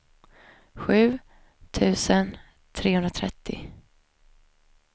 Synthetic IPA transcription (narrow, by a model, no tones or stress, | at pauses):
ɧʉ̟ː | t̪ʰʉ̟ːsən | t̪ʰɾeːhɵnɾat̪ʰɾɛt̪ʰːɪ̰